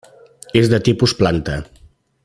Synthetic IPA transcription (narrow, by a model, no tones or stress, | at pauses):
ezðət̪ipusplant̪ə